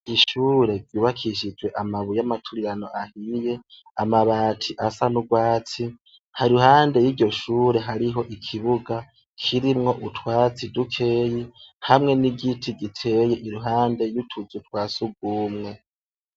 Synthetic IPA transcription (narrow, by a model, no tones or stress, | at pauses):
iʃuɾe̞vjuːβakʰiʃid͡ʒwe̞ʔamaβujamatʰuɾiɾano̞ʔahije̞ | amaβaːtʰiʔasanuɡwaːt͡si | haɾiuɦaːnde̞jiɾɟo̞ʃuːɾe̞ɦaɾiɦo̞ʔikʰiβuɡa | kʰiɾimŋo̞ʔutʰwaːt͡sidukʰeːjihamŋe̞niɡitʰiɡitʰe̞ːjeʔiɾuɦaːnde̞jutʰuzutwaːsuɡ̚wuːmŋe̞